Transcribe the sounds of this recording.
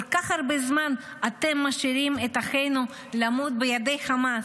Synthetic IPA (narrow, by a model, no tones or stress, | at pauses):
olkaχhaɾbezman | at̪emːaʃiɾimet̪aχe̞jnu | lamut̪̚bejad̪e̞jχama